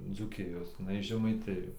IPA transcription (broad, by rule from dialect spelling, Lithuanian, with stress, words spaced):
d͡zuːˈkʲɪjoːs jɪˈnɐɪ ɪʃ ʒʲɛmɐɪˈtʲɪjoː